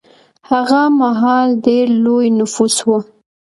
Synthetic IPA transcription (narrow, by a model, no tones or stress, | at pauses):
haɣamaɦɑlɖeɾlojnʊfuswu